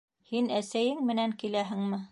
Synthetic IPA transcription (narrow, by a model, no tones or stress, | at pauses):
hinæsæjɘŋmɘ̆næŋkilæɦɘŋmɘ